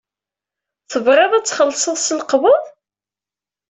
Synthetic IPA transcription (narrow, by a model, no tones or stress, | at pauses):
θəvɾˤeðˤæt͡sːχəlːsˤəðˤsəlqvəðˤ